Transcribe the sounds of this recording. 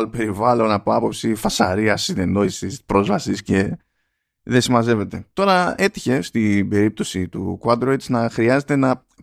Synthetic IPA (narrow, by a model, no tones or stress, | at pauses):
lope̞ɾivɐlo̞nɐpo̞ɐpo̞psifɐsɐɾiɐsine̞no̞isispɾo̞zvɐsisce̞ | ðesimɐze̞ve̞t̪e̞t̪o̞ɾɐe̞t̪i̥çe̞st̪ibe̞ɾip̚t̪o̞sit̪ṵkwɐd̪ɾot̪snɐxɾiɐze̞t̪e̞nɐ